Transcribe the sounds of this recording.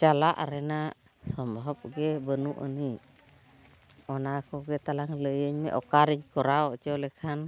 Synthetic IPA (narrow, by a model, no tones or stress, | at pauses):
t͡ʃalaʔa̰ɾɛna | sɔmbɦɔp̚ɡɛbənuʔə̰ni | ɔnakɔɡɛt̪alaŋləjəɲmɛ̰ʔɔkaɾiɲkɔɾaɔt͡ʃɔlɛkʰan